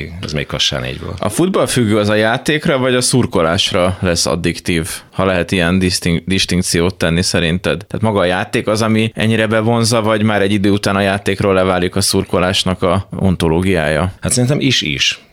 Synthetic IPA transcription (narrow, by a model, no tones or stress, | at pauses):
ɛ̰zmɛ̰ikɒʃa̰ːnḛːɟbo̰lt̪ɒ̰fud̪bɒlfyɡːøːɒzɒjaːt̪eːkrɒvɒɟɒsurko̞laːʃrɒlɛsːɒ̰d̪ːikt̪iːvhɒlɛɦɛt̪ijɛnd̪it̪id̪iʃt̪iŋk̚t̪sijoːt̪ːɛnːisɛɾint̪ɛd̪t̪a̰ːt̪mɒɡɒːjaːt̪eːkɒzɒmiɛ̰ɲːiɾɛbɛvo̞nzɒvɒɟmaːɾɛɟːid̪øːut̪aːnɒjaːt̪eːkroːlːɛvaːlikɒsurko̞laːʃnɒkɒo̞̰nt̪oloːɡijaːjɒhat̪sɛɾint̪ɛmʔiʃḭʃ